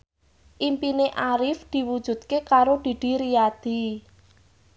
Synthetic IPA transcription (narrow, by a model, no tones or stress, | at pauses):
ʔimpineʔaɾɪfd̪̥i̤wud̥ʒ̥ṳd̪̚kekaɾod̪̥i̤d̪̥i̤ɾiad̪̥i̤